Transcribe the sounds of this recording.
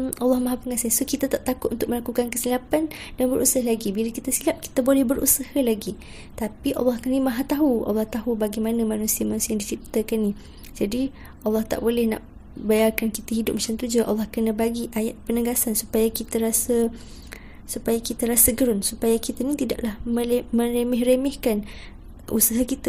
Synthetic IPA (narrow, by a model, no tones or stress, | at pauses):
ɑlːɑhmaɦapəŋasasokit̪at̪aʔt̪akʊt̪ʔunt̪ʊk̚məlakukankəsilapandanbəɾʔṵsaɦalaɡibilakit̪asilap̚ki̥t̪abolɛhbəɾṵsahəlaɡi | t̪apiʔɑ̰lːɑhkənĩmaɦat̪aɦuʔɑ̰lːɑht̪aɦubaɡimanəmanũsiamanusiaadit͡ʃip̚t̪akanːi | d͡ʒadi | ʔɑlːɑht̪a̰ʔbolɛhna̰ʔ | bajarkankit̪aɦidʊp̚mat͡ʃamt̪ud͡ʒaʔɑ̰lːɑhkənə̃baɡiʔajaʔ̪̚pənəɡasansupajakit̪əɾasə | supajakit̪aɾasəɡəɾʊnsupajakit̪anĩt̪ida̰ʔlahməmə̃ɾemɛhɾemɛhkan | ṵsaɦakit̪a